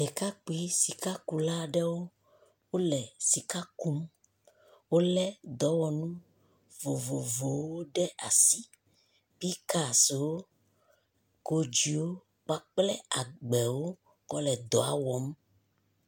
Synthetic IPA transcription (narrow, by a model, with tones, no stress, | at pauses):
ɖɛ˨ka˦k͡pi˦si˨ka˦ku˨la˦ɖɛ˦wo˦ | wo˦lɛ˨si˨ka˦ku˦m | wo˦lɛ˦d̪ɔ˨˦wɔ˨nũ˦ | vo˨vo˨vo˨˦wo˦ɖɛ˦ʔa˨si˦ | pi˦ka˦˨se˨wo˦ | ko˦d͡ʒi˨wo˦ | k͡pa˦k͡plɛ˦a˨ɡ͡bɛ˨wo˦ | kɔ˦lɛ˨d̪ɔ˨a̰˨wɔ˨˦m˦